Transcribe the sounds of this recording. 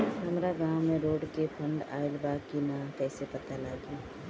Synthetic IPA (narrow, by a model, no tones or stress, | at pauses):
ɦɐmɾaɡãːwmẽɾoːɖkepʰə̃ɳɖa̰ːɪlbaːkinakɛːsepɐt̪alaːɡi